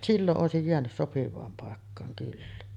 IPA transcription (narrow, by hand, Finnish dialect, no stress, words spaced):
silːoʔ ʔoˑesij jeænys sopiʋˑɑːm pɑˑekːɑːŋ kylːæ